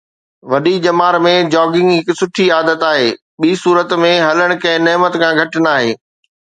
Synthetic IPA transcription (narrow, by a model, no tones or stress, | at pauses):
ʋɐɗid͡ʑɐmaːɾmẽd͡ʑɔːɡɪ̃ŋɡɦɪksʊʈʰiaːd̪ət̪aːɦeː | ɓiːsuːɾət̪mẽɦɐləɽ̃̆kɐ̃ɦɪ̃neɦmət̪kʰãːɡʱɐʈnaːɦeː